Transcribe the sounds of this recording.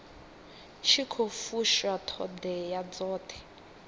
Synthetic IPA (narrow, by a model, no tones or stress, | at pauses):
ʃʰikʰofuʃatʰɔ̰dɛjad͡zɔːtʰɛ̥